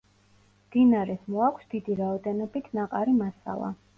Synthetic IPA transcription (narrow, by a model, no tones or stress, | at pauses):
md̪̥inaɾɛsmɔakʷʰsd̪̥id̪iɾaɔd̪ɛnɔbit̪ʰnaqʼaɾimasa̰lˠa̰